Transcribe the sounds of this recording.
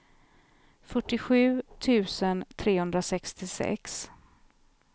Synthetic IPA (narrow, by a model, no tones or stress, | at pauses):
fœʈːɪɧʉ̟ːt̪ʰʉ̟ːsənt̪ʰɾeːhɵnd̪ɾasɛkst̪ɪsɛ̰ks